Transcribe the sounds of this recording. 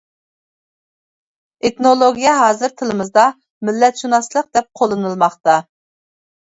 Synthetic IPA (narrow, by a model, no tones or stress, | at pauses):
et̪nolˠoɡʲijɛɦɑːzɨɾt̪ʰɪlɨmɨzd̪ɑ | mɪlːɛt̪ʃunɑslˠəq̚d̪ɛp̚qʰolˠɨnɨlˠmɑχt̪ɑ